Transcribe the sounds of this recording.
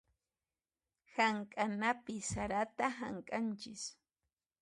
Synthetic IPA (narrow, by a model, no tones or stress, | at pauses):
haŋkʼanapɪsaɾat̪aɦaŋkʼant͡ʃɪs